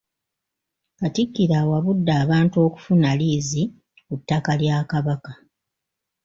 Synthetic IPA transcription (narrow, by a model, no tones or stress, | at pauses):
katikːiɾawaβudːaːβaːntuo̞ːku̥funaliːzi | kutːakaljaːkaβaka